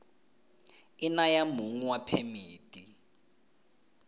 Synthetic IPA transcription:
ɪnajamuŋuwapʰemiːtʼi

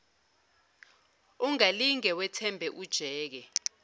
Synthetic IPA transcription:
uŋaliŋɛwɛtʰɛmbʱɛʔud̥ʒ̥ʱɛːk̬ɛ

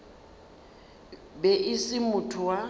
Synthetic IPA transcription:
bɛʔɪsɪmʊtʰʊwa

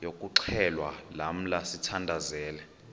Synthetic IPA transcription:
jokʼuǃʰɛlwalam̩lasitʰandʱazɛːlɛ

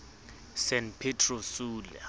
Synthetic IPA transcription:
sɛnpʰɛtʰʼrɔsuːlɛ̰

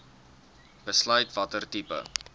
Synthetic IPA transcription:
b̥əslœɥtvɐtərtipə̰

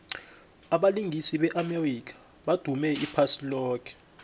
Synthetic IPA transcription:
aɓaliŋʱisiɓɛʔamerik̬ʰʼḁ | ɓad̥ʱumɛipʰasilɔːkʰɛ̥

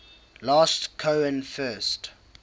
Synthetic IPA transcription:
lɑːstkʰoʊə̃nfɜːˑst

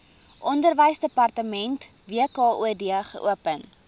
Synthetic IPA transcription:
ʔɔndərvəjsdəpɐrtəmɛnt | viəkɑːʔuədiəχə̰ʔṵəpən

